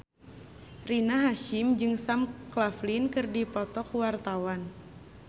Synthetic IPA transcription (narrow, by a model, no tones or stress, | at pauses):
rinaɦaʃɪmd͡ʒɨŋsamklaflinkɨrdipɔt̪ɔkwart̪awan